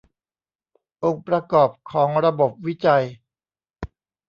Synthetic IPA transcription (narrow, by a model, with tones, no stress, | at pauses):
ʔo˧ŋpɾa˧kɔː˨˩p̚kʰɔː˩˦ŋɾa˧bo˨˩p̚wi˦˥t͡ɕa˧j